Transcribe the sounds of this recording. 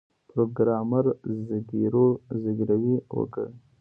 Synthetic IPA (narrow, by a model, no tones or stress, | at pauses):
pɾoɡɾaːmɐɾzəɡiɾozəɡɾɐwiwo̰kə̰